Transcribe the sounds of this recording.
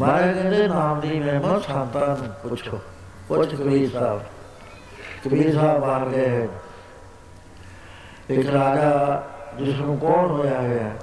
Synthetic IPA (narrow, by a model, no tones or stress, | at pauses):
mãːeːkənd̪eːnaːmd̪iːmɛːməət̪sãːnt̪aːñːpʊt͡ʃʰo | pʊt͡ʃʰkəbiːɾsaːb | kəbiːɾsaːbbaːɾɡeːɦɛ | ɪkɾaːd͡ʒaːd͡ʒɪsnũːkɔːnɦoːjaːɦaɦɛː